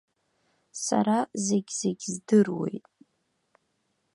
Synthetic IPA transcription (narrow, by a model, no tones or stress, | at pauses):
sa̰ɾazeɡʲzeɡʲzdɨrwe̞̰jtʼ